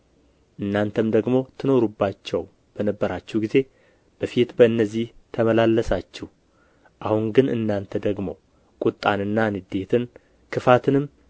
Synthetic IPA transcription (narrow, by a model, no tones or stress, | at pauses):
ʔɨnːant̪ʰəmd̪əɡmo̞t̪ʰɨno̞ɾubːat͡ʃːɛw | b̥ənəbːəɾat͡ʃːɛhɡize̞ | b̥əfit̪bəɨnːəzːiht̪ʰəməlalːəsat͡ʃːɛh | ʔahuŋɡɨnɨ̰nːant̪ʰəd̪əɡmo̞̰ | kʼut̪ʼːanɨnːanɨd̪e̞t̪ʰɨn | kʰɨfat̪ʰɨnɨm